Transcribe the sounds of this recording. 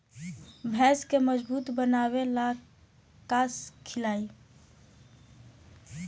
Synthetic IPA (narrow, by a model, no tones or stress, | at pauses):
bʱɛskeməd͡ʒbuːt̪bənawela | kaskʰɪlaːi